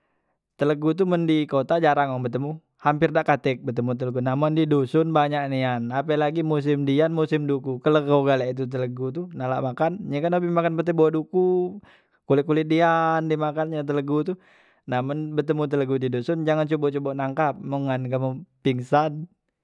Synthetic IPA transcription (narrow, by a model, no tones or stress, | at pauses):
t̪ələɡut̪̬uməndikot̪ad͡ʒaɾaŋɔŋbət̪əmu | hampɪrdaʔkat̪ɛk̚bət̪əmut̪̬ələɡunamɔndidusʊnbaɲaʔnianapəlaɡimus̬ɪmdianmusɪmdukukələɡoɡalaʔit̪̬ut̪̬ələɡut̪unala̰ʔmakanɲəkanabimakanpət̪ɛbawaduku | kulɪʔkulidiandimakanɲat̪̬ələɡut̪u | namɔnbət̪əmut̪̬ələɡudidusʊnd͡ʒaŋant͡ʃobɔt͡ʃobɔʔnaŋkap̚məŋanɡaməpiŋsan